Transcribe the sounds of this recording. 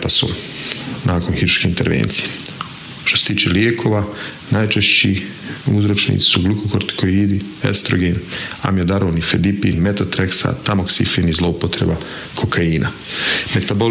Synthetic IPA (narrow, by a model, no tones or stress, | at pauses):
pasṵ | naːko̞nxiɾuʃkeint̪e̞ɾʋḛːnt̪sije | t̪oset̪iːt͡ʃeljeːkʰo̞ːʋa | najt͡ʃeʃt͡ɕi | uzɾot͡ʃnḭːt̪i̥suɡlukokoɾt̪i̥kʰoiːd̪i | ḛst̪ɾoɡena̰miod̪aɾoːnifed̪ipḭnmet̪ot̪ɾeksa̰t̪amoksifenizlˠo̞upo̞t̪ɾḛba | kʰokʰaiːnʔa̰ | me̞t̪abo